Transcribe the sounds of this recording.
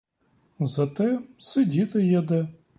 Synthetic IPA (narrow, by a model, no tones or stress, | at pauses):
zɐt̪ɛsɪdʲit̪ɪjɐd̪ɛ